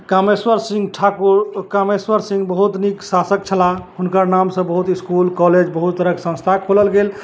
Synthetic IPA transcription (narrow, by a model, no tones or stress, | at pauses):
kameswəɾsĩŋɡʈʰakuɾkameswəɾsĩŋɡbəɦut̪niksasək̚t͡ʃʰəlaɦunkəɾnamsə̃bəɦut̪iskulkɔled͡ʒbəɦut̪ːəɾəksə̃nst̪ʰakʰoləlɡel